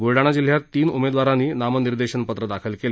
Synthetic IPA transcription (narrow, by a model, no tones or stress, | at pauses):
ɡuɾɖaɽ̃ad͡ʑil̤jat̪ːiːnumed̪ʋaɾãniːnaməniɾd̪eɕənpət̪ɾəd̪akʰəlkele